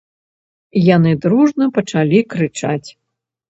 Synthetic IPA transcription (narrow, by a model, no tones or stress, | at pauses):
janɨd̪ɾuʐnɐpɐt͡ʂalʲikɾɨt͡ʂa̰t͡sʲ